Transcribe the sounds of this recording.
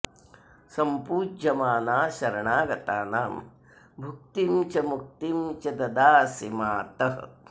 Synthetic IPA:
sɐmpuːd͡ʒɐmaːnaːʃɐɾɐɳaːɡɐt̪aːnaːm | bʱuk̚t̪imt͡ʃɐmuk̚t̪imt͡ʃɐd̪ɐd̪aːsimaːt̪ɐɦɐ̰

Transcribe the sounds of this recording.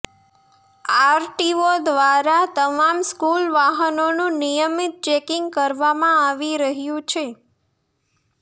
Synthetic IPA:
aɾʈiod̪ʋaɾat̪əmamskulʋaɦənonũnijəmit̪̚t͡ʃekiŋɡkəɾʋamãaʋiɾəɦjũt͡ʃʰe

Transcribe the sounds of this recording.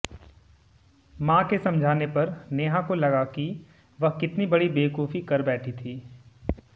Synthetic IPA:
mãːkesɐ̃md͡ʒʱaːnepɐɾneːɦãkolɐɡaki | ʋɐɦkɪt̪nibɐɽibeːkuːfikɐɾbɛːʈʰit̪ʰiː

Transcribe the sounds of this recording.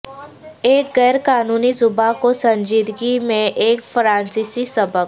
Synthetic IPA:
eːkɡɛːɾkaːnuːnizʊbakosɐ̃ɲd͡ʒiːd̪ɡimẽʔeːkfɾãːnsiːsisɐbək̚

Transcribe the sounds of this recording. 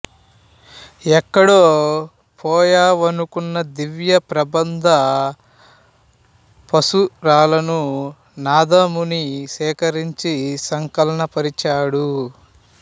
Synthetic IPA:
ɛkːɐɽoː | pʰɔːjaːʋɐnukunːɐd̪iʋjɐpɾɐbɐnd̪ʱɐ | pɐsuɾaːlɐnu | naːd̪ɐmunisɛːkɐɾiɲt͡ʃisɐŋkɐlɐnɐpɐɾit͡ʃaːɽu

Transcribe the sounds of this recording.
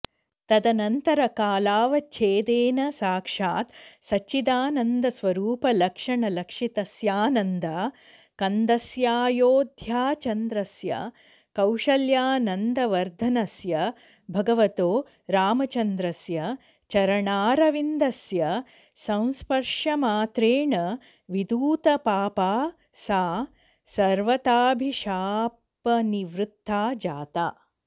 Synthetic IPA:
t̪ɐd̪ɐnɐnt̪ɐɾɐkaːlaːʋɐt͡ʃʰeːd̪eːnɐsaːkʂaːt̪sɐt͡ʃid̪aːnɐnd̪ɐsʋɐɾuːpɐlɐkʂɐɳɐlɐkʂit̪ɐsjaːnɐnd̪a | kɐnd̪ɐsjaːjoːd̪ʱjaːt͡ʃɐnd̪ɾɐsjɐ̰ | kɐwʂɐljaːnɐnd̪ɐʋɐɾd̪ʱɐnɐsjɐ | bʱɐɡɐʋɐt̪oː | ɾaːmɐt͡ʃɐnd̪ɾɐsjɐ | t͡ʃɐɾɐɳaːɾɐʋind̪ɐsjɐ | sɐ̃w̃spɐɾʂɐmaːt̪ɾeːɳɐ | ʋid̪uːt̪ɐpaːpaː | saː | sɐɾʋɐt̪aːbʱiʃaː | pɐniʋɾut̪ːaːd͡ʒaːt̪aː

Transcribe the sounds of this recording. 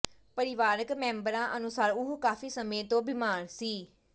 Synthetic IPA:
pəɾɪʋaːɾəkmɛ̃ːmbəɾãːʔənʊsaːɾʊɦkaːfiːsəmet̪oːbɪmaːɾsiː

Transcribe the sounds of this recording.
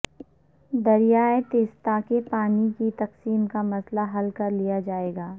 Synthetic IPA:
d̪ɐɾijaːet̪eːst̪akepaːnikit̪ɐqsiːmkamɐslaɦɐlkɐɾlijad͡ʒaːeːɡaː

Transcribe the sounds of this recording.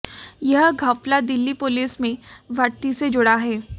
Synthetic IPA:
jəɦɡʱəplad̪ɪlːipʊliːsmẽʋʱət̪ised͡ʒʊɽaɦɛː

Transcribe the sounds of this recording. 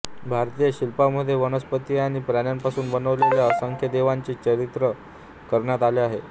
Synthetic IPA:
bʱaɾt̪ijəɕilpaməd̪ʱːjeʋənəspət̪iaɽ̃ipɾaɳjampasuːnbənəʋleljaəsəŋkʰjəd̪eʋaɲt͡ɕit͡ɕəɾit̪ɾə | kəɾɳjat̪aleaɦe

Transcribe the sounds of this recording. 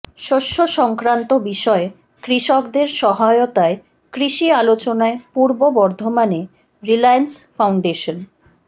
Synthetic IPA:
ʃoʃːoʃɔŋkɾant̪obiʃɔe | kɾiʃokd̪eɾʃɔɦaot̪ae | kɾiʃialot͡ɕonaepuɾbobɔɾd̪ʱomane | ɾilajansfawɳɖeʃon

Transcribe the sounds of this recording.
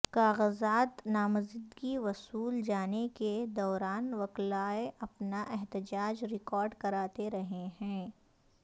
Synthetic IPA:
kaːɣəzaːt̪naːmɐzɪd̪ɡiʋɐsuːld͡ʒaːneked̪ɔːɾaːnʋɐklaːeʔɐpnaʔɛɦt̪ɪd͡ʒaːd͡ʒɾɪkɔːɾɖkɐɾaːt̪eɾɐɦeɦɛ̃ː

